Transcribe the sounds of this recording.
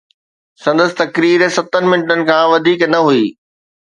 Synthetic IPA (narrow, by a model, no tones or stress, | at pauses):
sɐ̃nd̪əsɪ̥̆t̪ɐkɾiːɾsɐt̪ənɪ̆mɪnɪʈənɪ̆kʰãːʋɐd̪ʱiːknɐɦuiː